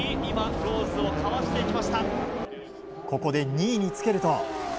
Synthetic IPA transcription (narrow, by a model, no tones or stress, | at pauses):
mʲimãŋɾoːzɨokʰaβast̪e̞ikʲimaɕi̥t̪a | ko̞ko̞d̪e̞ɲ̟iːɲ̟it͡sɨ̥ke̞ɾɯ̟t̪o̞